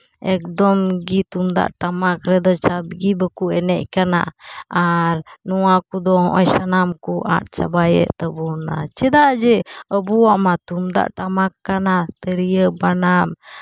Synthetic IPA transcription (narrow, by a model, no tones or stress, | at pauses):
ɛk̚d̪ɔmɡit̪umd̪a̰ʔʈamakɾɛd̪ɔt͡ʃabɡibəkuɛnɛc̚kana̰aɾnuwakud̪ɔhɔ̰̃ʔɔjsanamkuʔa̰t̪̚t͡ʃa̰bajɛ̰ʔt̪əbuɾna̰t͡ʃɛd̪aʔd͡ʒɛəbuwaʔmat̪umd̪a̰ʔʈamakːanat̪əɾijəbanam